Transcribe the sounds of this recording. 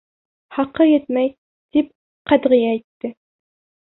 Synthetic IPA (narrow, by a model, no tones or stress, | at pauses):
χɑqɤjɘt̪̚mæj | t̪ip̚ | qæd̪ʁɪ̆jæit̪ːɘ